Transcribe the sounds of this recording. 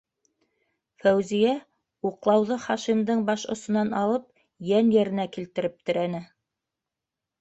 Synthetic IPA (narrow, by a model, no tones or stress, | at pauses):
fæwzijæ | uqlˠɑwðɤχɑʃimd̪ɤɴbɑʃŏsŏnɑnɑlˠɤp̚ | jænjæɾɘ̆nækilt̪ɘ̆ɾɘp̚t̪ɘ̆ɾænɘ